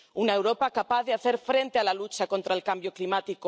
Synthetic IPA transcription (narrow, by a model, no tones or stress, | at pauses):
unaewɾopakapaðeaθeɾfɾent̪ealalut͡ʃakont̪ɾaelkambjoklimat̪iko